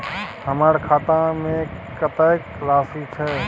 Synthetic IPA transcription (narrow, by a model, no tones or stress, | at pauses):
həmaːɾkʰaːt̪ãmẽ | kət̪ək | laːsit͡ʃʰɛ